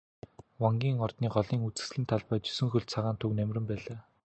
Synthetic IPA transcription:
wɔŋɡʲiːŋɔrt̪niːɢɔɮiːŋut͡sɘ̥̆sɮiːnt̪ʰaɮpœːt͡ɕɵ̥sɵ̆ŋxɵɮt͡sʰaʁaːnt̪ʰɵknæmʲrʲɘ̆mpæːɮaː

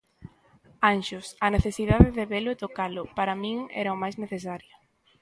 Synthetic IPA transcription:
anʃʊsɐneθesið̞aðeðeβelʊet̪okalʊpaɾamĩŋɛ̰ɾɐomajzneθesaɾjɐ

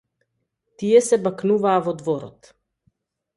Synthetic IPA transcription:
t̪iɛsɛbaknuvaːvɔd̪vɔɾɔ̰t̪

